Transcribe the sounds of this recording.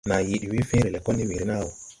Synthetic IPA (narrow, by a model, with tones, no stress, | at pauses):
na˨ji˨ɗi˨wi˦fe˦ɾɛ˨lɛ˨kɔ˦ni˦mi˨ɾi˦na˦˨wo˨